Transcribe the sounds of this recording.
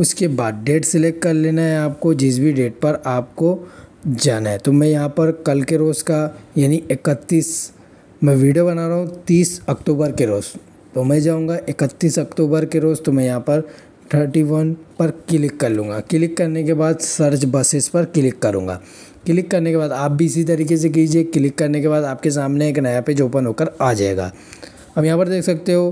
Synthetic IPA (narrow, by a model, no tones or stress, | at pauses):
ʊskebaːd̪̚ɖeːʈsɪleːk̚ʈ̚kɐɾleːnaɦɛaːp̚kod͡ʒɪs̬biɖeːʈ̚pɐɾaːp̚kod͡ʒaːnaɦɛt̪omɛ̃ːjɐɦãpɐɾkɐlkeɾoːzkajaːniɪkət̪ːiːs | mɛ̃ʋiːɖijobɐnaːɾaɦũt̪iːsɐkʈuːbəɾkeɾoːz | t̪omɛ̃d͡ʒaːũːŋɡaʔɪkət̪ːiːsɐkʈuːbəɾkeɾoːzt̪omɛ̃jɐɦãpɐɾ | ʈʰəɾʈiʋɐnpɐɾkɪlɪkːɐɾlũːŋɡakɪlɪkːɐɾnekebaːd̪sɐɾt͡ʃbɐsɪspɐɾkɪlɪkːɐɾũːŋɡa̰ː | kɪlɪkːɐɾnekebaːd̪aːp̚bʱiɪs̬it̪̬ɐɾiːkes̬ek̬iːd͡ʒiekɪlɪkːɐɾnekebaːd̪aːp̚kes̬aːmneeːknaːjaped͡ʒoːpənɦoːkəɾaːd͡ʒa̰ːḛːɡa̰ː | ɦɐbjɐɦãːpɐɾd̪eːkʰsɐk̚t̪eɦoː